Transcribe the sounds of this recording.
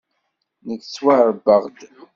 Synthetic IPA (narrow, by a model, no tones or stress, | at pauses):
nəkswaɾbəʁd̪